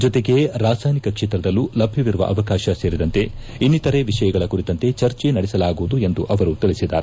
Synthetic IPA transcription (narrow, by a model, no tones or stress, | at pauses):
d͡ʒɔt̪eɡe̞ɾaːsaːjnikɐkʂeːt̪ɾɐd̪ɐlːulɐbʱjɐʋiɾuʋɐ̰ʔɐʋɐkaːʃɐse̞ːɾid̪ɐnt̪e̞ | inːit̪ɐɾe̞ʋiʂɐjɐɡɐɭɐkuɾit̪ɐnt̪e̞t͡ʃɐɾt͡ʃenɐɽɛsɐlaːɡuʋud̪ue̞nd̪uʔɐʋɐɾut̪iɭisid̪a̰ːɾe